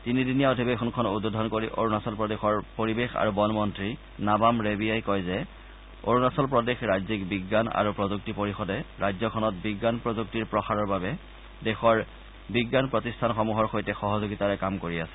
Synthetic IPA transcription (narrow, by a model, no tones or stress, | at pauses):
tinidinijaodʱibexʰɔnkʰɔnudodʱɔnkoɹiʔo̰ɹunasɔlpɹɔdexɔɹpoɹibexa̰ɹubɔnmɔntɹi | nabamɹebijajkɔjzɛ | oɹunasɔlpɹɔdexɹajzikbiɡːana̰ɹupɹɔzuk̚tipoɹixɔdɛɹajzɔkʰɔnɔt̚biɡːanpɹozuk̚tiɹpɹɔxaɹɔɹbabɛ | dɛxɔɹ | biɡːanpɹɔtistʰanxɔmuɦɔɹxojtɛxɔɦɔzoɡitaɹɛkamkoɹiasɛ̥